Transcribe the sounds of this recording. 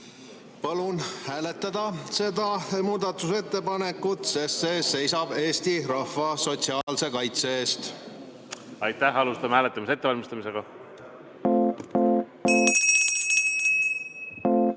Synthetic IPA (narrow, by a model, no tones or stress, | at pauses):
pɑlunhæːle̞t̪ːˑɑd̪̥ɑse̞d̪̥ɑmuːd̪̥ɑt̪ːˑuse̞t̪ːe̞pɑne̞kːˑut̪sese̞se̞jsɑb̥e̞ːst̪iɾɑhvɑso̞t̪ʲsiɑːlse̞kɑjt̪se̞eːst̪ | ɑjt̪ːæhɑlust̪ɑmehæːlet̪ˑːɑmiset̪ːeɑlmist̪ɑmise̞ɡ̥ɑ